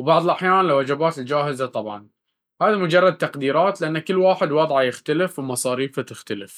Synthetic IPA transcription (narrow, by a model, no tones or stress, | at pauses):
wbɑʕðˤlʔaħjaːnlawʔad͡ʒabaːt̪ɪld͡ʒaːhɪzat̪ˤɑbʕɑn | haːðamʊd͡ʒɑrˤːɑd̪̚t̪ɑqd̪iːɾɑːt̪lɪʔanːakɪlːwaːħɪd̪wɑdˤʕɑjɪxt̪alɪfwmɑsˤɑːɾiːfat̪ɪxt̪alɪf